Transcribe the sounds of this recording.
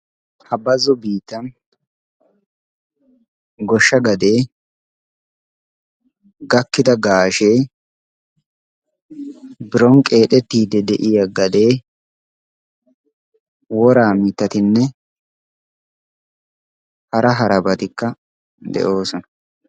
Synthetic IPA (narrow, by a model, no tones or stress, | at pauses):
hɐbɐzːɔbiːt̪ːɐn | ɡɔʃːɐɡɐd̪e̞ː | ɡɐkːɪd̪ɐɡaːʃe̞ː | bɪɾɔŋkʼe̞ːt̪ɛt̪ːiːd̪ɛd̪ɛʔɪjɐɡɐd̪e̞ː | wɔɾaːmɪt̪ːɐt̪ɪnːɛ | hɐɾɐɦɐɾɐbɐt̪ɪkːɐ | d̪ɛ̰ʔo̞ːsɔnɐ